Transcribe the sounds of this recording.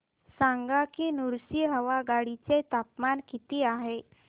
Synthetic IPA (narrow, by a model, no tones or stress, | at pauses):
saŋɡakiːnuɾsiːɦəʋaɡaɽit͡set̪apmankit̪iːaɦe